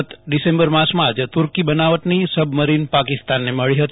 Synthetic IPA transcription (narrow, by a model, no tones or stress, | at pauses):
t̪ɖisẽmbəɾmãsmãd͡ʒt̪uɾkibənaʋət̪nisəbʱməɾinpakɪst̪anːeməɭiɦət̪i